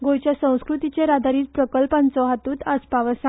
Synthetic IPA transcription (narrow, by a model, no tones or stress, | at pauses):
ɡojt͡ɕjasə̃w̃skɾut̪it͡seɾad̪ʱaɾiːt͡spɾəkəlpãnt͡sɔɦat̪uːt̪aspaʋəsã